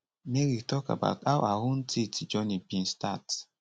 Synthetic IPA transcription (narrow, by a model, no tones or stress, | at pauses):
meɹitɔka̰ba̰ʊtaʊʔahõntʰitid͡ʒɔnibĩnstat